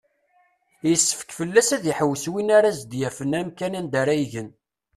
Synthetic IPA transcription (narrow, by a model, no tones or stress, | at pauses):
jəsːə̥fə̥kfəlːæsæðiħəwːəswinaɾazd̪jæfənæmkænænd̪aɾˤajʝən